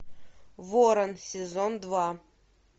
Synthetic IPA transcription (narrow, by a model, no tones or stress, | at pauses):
voɾənsʲɪzond̪va